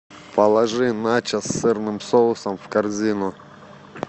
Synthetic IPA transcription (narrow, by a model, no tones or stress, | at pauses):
pɐlˠɐʐɨnat͡ʃəsːɨrnɨmsolˠʊsəmfkɐrzʲinʊ